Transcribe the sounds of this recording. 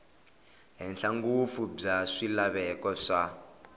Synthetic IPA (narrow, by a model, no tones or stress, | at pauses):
ɦɛnɬaŋɡufub͡ʐaʂilaβɛkɔʂa